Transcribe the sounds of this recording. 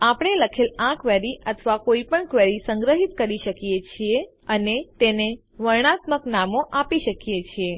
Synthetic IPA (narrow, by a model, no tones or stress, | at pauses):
apəɳ̃eləkʰelãkʋeɾiʔət̪ʰʋakoipəɳkʋeɾisəŋɡɾəɦit̪kəɾiʃəkjet͡ʃʰie | ənet̪ene | ʋəɾɳ̃at̪məknamoʔapiʃəkjet͡ʃʰie